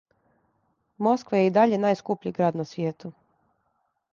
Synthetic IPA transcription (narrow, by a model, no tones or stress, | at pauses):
mo̞skʋajeid̪aʎe̞naːjskupʎiɡɾaːd̪nasʋjeːt̪u